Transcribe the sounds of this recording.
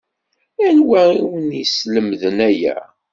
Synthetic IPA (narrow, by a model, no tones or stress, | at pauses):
ænwæiwənisləmðənæjæ̰